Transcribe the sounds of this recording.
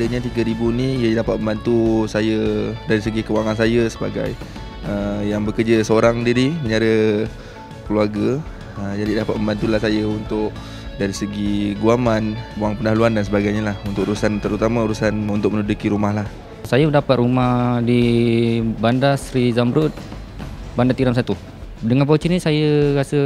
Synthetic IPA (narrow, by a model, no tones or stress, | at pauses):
dəɲat̪iɡəɾibuniijədapat̪̚məmbant̪usajədaɾisəɡikəwaŋansajəsəba̰ɡa̰j | əjaŋbəkərd͡ʒəsəoɾaŋdiɾiməɲaɾə | kəluaɡə | əd͡ʒadidapat̪̚məmbant̪ulahsajəunt̪ʊk̚ | daɾisəɡiɡuamanbuaŋpənaluandans̬əbaɡajɲalahunt̪ʊk̚uɾusant̪əɾut̪amãuɾusanunt̪ʊk̚mənudukiɾumahlah | sajəməndapat̪̚rumahdi | bandasɾizambɾut̪̚ | bandat̪iɾams̬ajət̪u | dəŋanpot͡ʃinisajəɾasə